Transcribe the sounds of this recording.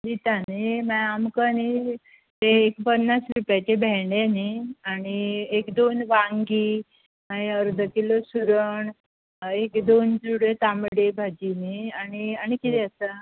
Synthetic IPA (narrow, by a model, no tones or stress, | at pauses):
dit̪animaamkəni | t̪eːkpənːasɾupjat͡ɕebʱɛɳeniaɽ̃iekd̪onʋaŋɡiː | məəɾd̪ʱəkilosuɾəɳ | ekd̪ond͡ʑuɽet̪amɽebʱad͡ʑiniaɽ̃iaɽ̃ikit̪ɛəsa